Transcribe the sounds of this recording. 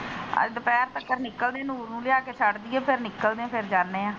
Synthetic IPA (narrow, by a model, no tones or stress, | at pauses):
ə̰d̪əpɛːɾt̪əkːəɾnɪkːəld̪ẽaːnuːɾnũːlejaːkeːt͡ʃʰəɽd̪iɛ̃ːpʰɪɾnɪkːəld̪ẽãːpʰɪɾd͡ʒaːnːeːãː